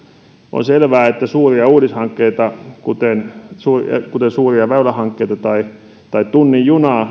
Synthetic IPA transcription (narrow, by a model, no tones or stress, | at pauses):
ʔo̰nselʋæːet̪ːæsuːriɑuːdishɑŋkːeit̪ɑkut̪ensṵːkut̪ensuːriɑʋæylæhɑŋkːeit̪ɑt̪ɑi | t̪ɑitt̪unːijjunɑː